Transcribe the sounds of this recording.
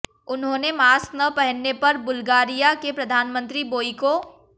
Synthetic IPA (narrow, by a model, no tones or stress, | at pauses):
ʊnɦõːnemaːsnɐpɛɦənːepɐɾbʊlɡaːɾijakepɾɐd̪ʱaːnmə̃nt̪ɾiboːiko